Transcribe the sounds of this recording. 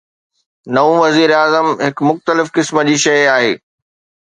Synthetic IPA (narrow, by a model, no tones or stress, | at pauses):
nɐũʋɐziːɾaːzəmɦɪkmʊxt̪əlɪfkɪsməd͡ʑiːʃɐjaːɦeː